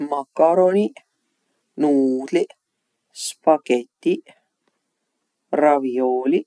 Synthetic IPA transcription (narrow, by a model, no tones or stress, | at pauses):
makːaɾoni | nuːt̪li | spaket̪ːi | ravjoːli